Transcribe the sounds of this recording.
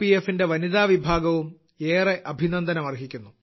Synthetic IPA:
iefːinde̞ʋɐniðaːʋibʱaːɡɐʋum | eːreʔɐbʱinɐnd̪ɐnɐmɐrɦikʲːunːu

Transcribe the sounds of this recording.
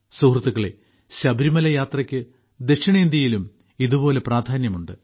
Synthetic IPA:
suhrɐt̪ːuɣɐɭe | ɕɐbɐɾimɐlɐjaːt̪rɐkʲːɨ | d̪eʂɐɳɐiːnd̪jɐjilum | iðubo̞ːle̞praːd̪ʱaːnjɐmuɳɖɨ

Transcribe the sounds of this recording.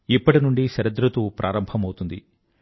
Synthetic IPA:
ipːɐʈinuɳɖiʃɐɾɐd̪ɾɐt̪upɾʔa̰ːɾɐmbʱɐmɐwut̪und̪ḭ

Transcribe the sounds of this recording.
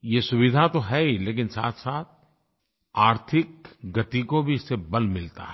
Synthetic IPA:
jesʊʋɪd̪ʱat̪oɦɛileːk̬ɪnsa̰ːt̪ʰsaːt̪̚ʰ | aːɾt̪ʰɪk̚ɡɐt̪ikobʱiɪsːebɐlmɪlt̪a̰ɦɛ

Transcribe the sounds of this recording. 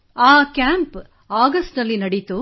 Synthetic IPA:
aːkjaːmp | aːɡɐsʈnɐlːinɐɽit̪u

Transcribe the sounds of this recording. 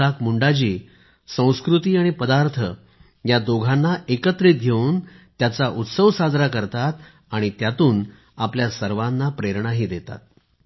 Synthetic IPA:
akmuɳɖat͡ɕiː | sə̃w̃skɾut̪iːaɽ̃ipəd̪aɾt̪ʰə | jad̪oɡʱanːaʔekət̪ɾit̪̚ɡʱeuːnt̪jat͡saʔut̪səʋsad͡zɾakəɾt̪at̪ | aɽ̃it̪jat̪uːn | apljasəɾʋanːapɾeɾɳaɦiːd̪et̪a̰t̪̚

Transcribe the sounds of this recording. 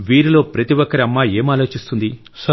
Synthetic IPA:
ʋiːɾilo̞ːpɾɐt̪iʋɔkːɐɾiɐmːaːe̞ːmaːlo̞ːt͡ʃist̪und̪i | s

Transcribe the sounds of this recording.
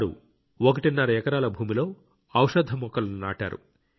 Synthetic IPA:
ɾṵ | okɐʈinːaːɾɐjɛkɐɾaːlɐbʱuːmilo̞ː | ɐwʂɐd̪ʱːɐmɔkːɐlɐnna̰ːʈa̰ːɾṵ

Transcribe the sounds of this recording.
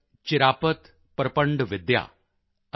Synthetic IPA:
t͡ʃɪɾaːpət̪ | pɾɐpəɳɖʋɪd̪ja̰ː

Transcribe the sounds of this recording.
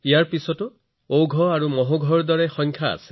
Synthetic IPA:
ijaɹpisɔtʊ | owɡʱɔaɹumɔɦoɡʱɔɹdɔɹɛxɔŋkʰaa̰se̥

